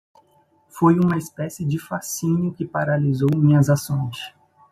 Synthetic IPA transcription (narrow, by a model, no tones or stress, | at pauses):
fojũmɐispɛsɪd͡ʒɪfasĩɲʊkɪpaɾalizowmĩɲɐzasõj̃s